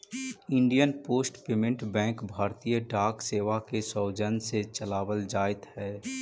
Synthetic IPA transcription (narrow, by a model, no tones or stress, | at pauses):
ɪ̃ɳɖijənpoːsʈpeːmɪ̃ɳʈbɛ̃ːŋkbʱaːɾt̪ijəɖaːkseːʋakesɔʊd͡ʒənset͡ʃəlaːwəld͡ʒaːɪt̪ɦɛː